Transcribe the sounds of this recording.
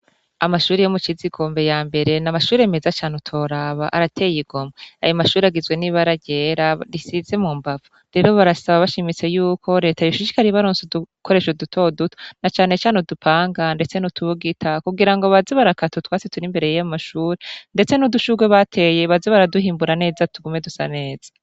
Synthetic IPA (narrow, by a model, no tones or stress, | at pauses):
amaʃuːɾijomut͡ʃiziɡo̞ːmbe̞jaːmbe̞ɾe̞namaʃuːɾeeme̞zat͡ʃaːnutʰo̞ːɾaβaʔaɾatʰe̞ːjiɡo̞mea̰jomaʃuːɾeaɡizɡwe̞niβaɾaɟeːɾaɾisize̞mumbavu | ɾe̞ɾo̞βaɾasaβaβaʃimit͡se̞juːkʰo̞ɾe̞ːtajoʃut͡ʃi̥kaɾiβaɾoːnsuduko̞ɾe̞ʃodutʰo̞duto̥nat͡ʃaːne̞t͡ʃaːnodupʰaːŋɡande̞t͡se̞nutʰuβuɡitʰakuɡiɾaŋɡo̞βaziβaɾakatutwaːt͡setuɾimbe̞ɾe̞jajamaʃuːɾende̞t͡se̞nuduʃuɡweβatʰe̞je̞βaziβaɾaduhiːmbuɾane̞ːzatuɡume̞dusane̞ːz̥ḁ